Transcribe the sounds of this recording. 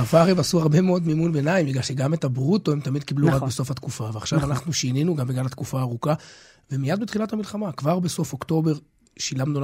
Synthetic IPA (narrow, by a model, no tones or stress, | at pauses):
vaʁevasuaʁbe̞meo̞d̪mimunbenaimbiɡlalʃe̞ɡamet̪abʁut̪oemt̪amid̪̚kibluʁakbeso̞fhat̪kufaveaχʃavanaχnuʃininuɡambeɡalatkufaːʁuka | vemijad̚bet̪χilat̪amilχamakvaʁbeso̞fokt̪o̞be̞ʁ | ʃilamnu